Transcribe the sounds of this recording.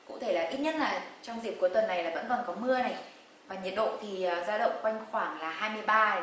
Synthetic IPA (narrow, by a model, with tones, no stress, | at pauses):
kʊ̰˧˥t̪ʰe˧˩laː˨˩ʔi˦˥t̚ɲə˦˥t̚laː˨˩t͡ɕɔ˧wŋ͡mzi˨˩əku˧˩˦t̪wə˨˩nːa˨˩jlaː˨˩və̰˧˥nkɔ˨˩nkɔ˨˦mɨ˧əna˨˩j | vaː˨˩ɲi˨˩ət̚ɗo̰˧˨t̪ʰi˨˩əː˨˩zaː˧wɗə̰˧˨wŋ͡mkwa˧jŋ̟xwaː˧˩ŋlaː˨˩haː˧jmɨ˧əjɓaː˧